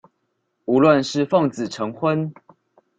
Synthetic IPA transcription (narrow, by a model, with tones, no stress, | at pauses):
u˧˥lwə˥˨nʂɻ̩˥˨fɑ˥˨˩ŋt͡sɹ̩˨˩ʈ͡ʂʰɤ˧˥ŋxwə˦n